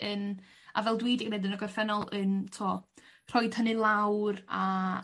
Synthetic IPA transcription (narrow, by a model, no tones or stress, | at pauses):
ən | a̰vɛlˠdwiːdiɡnedənəɡɔrfɛnɔlˠəntʰuɔr̥ɔɨd̥hənɨlˠawra